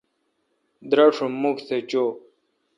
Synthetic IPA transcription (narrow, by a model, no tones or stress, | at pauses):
d̪ɾɐʂumukset͡ɕo